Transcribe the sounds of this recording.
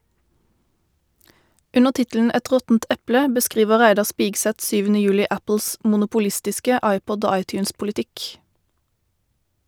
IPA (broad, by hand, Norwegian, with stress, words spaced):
ˈʉnəʁ ˈtɪtəln̩ ˈɛt ˈʁɔtn̩t ˈɛplə bəˈskʁiːʋəʁ ˈʁæɪdɑʁ ˈspɪɡsɛt ˈsyːʋənə ˈjʉːlɪ ˈæpl̩s mʊnʊpʊˈlɪstɪskə ˈɑɪˌpɔd ˈoː ˈɑɪˌtjʉːnspʊlɪˌtɪk